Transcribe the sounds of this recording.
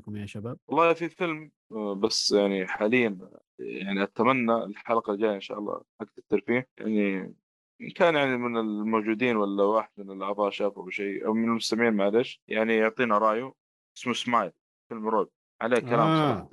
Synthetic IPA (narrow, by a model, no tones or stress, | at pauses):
maʃabaːb̚wɑlˤːɑːfifɪlm | basːjaʕniħaːlɪjːan | ja̰ʕniʔat̪amanːaɪlħalqɑld͡ʒaːjaʔɪnʃa̰ːʔɑlˤːɑ̰ːʔak̚t̪ɪkt̪ɑɾˤfiːja̰ʕni | ɪnkaːnjaʕnimɪnɪlmoːd͡ʒuːd̪iːnwalːawaːħɪd̪mɪnɪlʔaʕðˤɑːʔʃaːfuʔawʃejʔa̰wmɪnɪlmʊst̪amʕiːnmaʕleːʃjaʕnijʊʕt̪ˤiːnaɾˤɑːʔju | ʔɪsmusmaːjl | fɪlmɾoːb̚ | ʕaleːkalaːmsˤɑ